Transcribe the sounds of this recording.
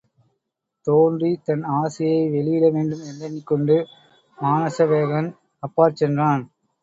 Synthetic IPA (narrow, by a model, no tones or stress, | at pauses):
t̪oːndrit̪ɐnaːsɪjɐɪʋɛɭɪjɪlɐʋeːɳɖɯmɛndɐnːɪkːɔɳɖɯ | maːnɐsɐʋeːɣɐn | ɐpːaːɾt͡ʃɛndraːn